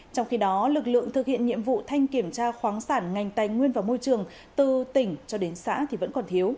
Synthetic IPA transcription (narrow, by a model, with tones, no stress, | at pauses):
t͡ɕɔ˧wŋ͡mxi˧ɗɔ˨˦lɨ˨˩k̚lɨ̰˧˨əŋt̪ʰɨ˨˩k̚hḭ˧˨ənɲḭ˧˨əmvṵ˧˨t̪ʰa˧jŋ̟ki˧˩əmt͡ɕaː˧xwaː˨˦ŋsaː˧˩nŋa˨˩jŋ̟t̪aː˨˩jŋwi˧ənvaː˨˩wmo˧jt͡ɕɨ˨˩əŋ | t̪ɨ˨˩t̪ï˧˩ŋ̟t͡ɕɔ˧ɗe˨˦nsa̰ː˧˥t̪ʰi˨˩və̰˧˥nkɔ˨˩nt̪ʰi˨˦əw